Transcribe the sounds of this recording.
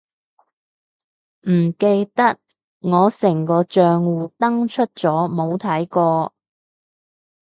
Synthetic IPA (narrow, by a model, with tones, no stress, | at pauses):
m̩˨˩ke˧jt̪ɐ˥k̚ | ŋɔː˨˧sɪ˨˩ŋkɔː˧t͡ʃœː˧ŋwuː˨t̪ɐ˥ŋt͡ʃʰɵ˥t̚t͡ʃɔː˨˥mo˨˧wt̪ʰɐ˨˥jkɔː˧